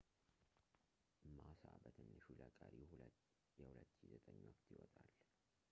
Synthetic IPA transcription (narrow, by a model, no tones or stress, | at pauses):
ʔmːasʔa̰bət̪ʰɨnːɨʃuləkʼaɾi | jɛhulət̪ːʃizət̪ʼəɲːwɔkt̪ʰjɪwɔt̪ʼal